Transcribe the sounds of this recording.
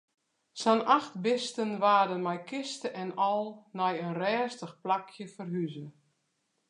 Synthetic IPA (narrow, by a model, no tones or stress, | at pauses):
sanaxtbɪstənʋaːdənmɛjkɪstəʔɛnɔlˠnɛjənrɛːstəxplakʰjəfərɦyzə